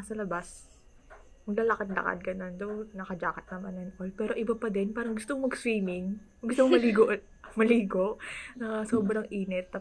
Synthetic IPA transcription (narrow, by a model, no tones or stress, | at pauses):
sɐlɐbas | mɐɡlɐlɐkɐt̪̚lɐ̰kɐ̰t̪̚ɡɐno̞nd̪ownɐkɐd͡ʒaːkɐt̪̚nɐmanɛnʔojpɛːɾo̞ʔɪbɐpɐd̪ɛnpaːɾɐŋɡʊst̪ommɐɡst̪ɾiːmɪŋ | ɡʊst̪omomɐliːɡoʔ | mɐliːɡo̞ʔnɐsoːbɾɐŋʔiːnɛt̪̚ːɐ